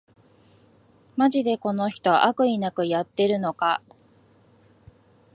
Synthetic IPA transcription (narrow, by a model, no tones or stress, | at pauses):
maʑid̪e̞ko̞no̞çi̥t̪o̞ʔakɯ̟inakɯ̟jat̪ːe̞ɾɯ̟no̞ka